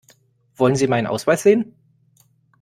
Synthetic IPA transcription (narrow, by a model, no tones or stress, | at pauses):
v̥ɔlənziːmaɪnənʔa̰ʊsv̥aɪsz̥eːən